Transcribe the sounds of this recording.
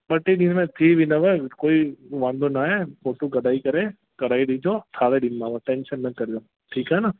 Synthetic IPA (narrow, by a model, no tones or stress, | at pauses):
ɓəʈːeɗinmẽt̪ʰiːʋɪnəʋəkoːiʋãːnd̪onaefoːʈukəɗaːikɐɾe | kɐɽaːiɗid͡ʒot̪ʰaːʋeɗinmãʋə̃ʈeːnʃənːɐkɐɾjo | ʈʰiːkɦɛna